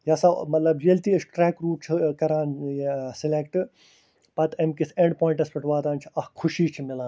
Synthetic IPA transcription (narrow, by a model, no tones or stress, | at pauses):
jɐsamɐt̪lɐbjelt̪iːɐsʈɾɛːkɾuːp̚t͡ʃʰikɐɾaːnsɪlekʈɨ | pɐt̪ʰɐmkiseɳɖpoːĩɳʈɐspɐʈʋaːd̪aːnt͡ʃʰi̥ɐhkʰʊʃiːt͡ʃʰimɪlaːn